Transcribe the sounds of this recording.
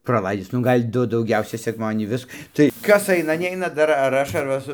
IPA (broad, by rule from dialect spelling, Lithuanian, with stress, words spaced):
prɐˈlˠɐɪdʲɪs ˈnʊ ˈɡɐlʲ ˈdʊ dɐʊˈɡʲɛʊsʲɛɪ sʲɛkˈmɑːdʲiɛnʲiː ˈʋʲɪs tɐɪ ˈkɐs ˈɐɪnɐ ˈnʲɛɪnɐ ˈdɐr ɐr ˈɐʃ ɐr ˈʋɐ sʊ